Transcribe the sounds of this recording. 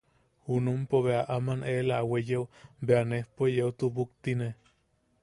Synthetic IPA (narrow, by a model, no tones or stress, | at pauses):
hunumpoβeaʔamanʔelaːwejeubeanehpojeut̪ubukt̪ine